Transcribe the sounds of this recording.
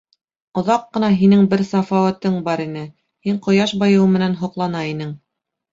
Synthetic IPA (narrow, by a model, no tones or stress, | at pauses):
ŏðɑqːɤ̆nɑɦinɘŋbɘɾsæfɑwæt̪ɘŋbɑɾinɘ | hiɴqŏjɑʃbɑjɤ̆wmɘ̆nænɦŏqlˠɑnɑinɘŋ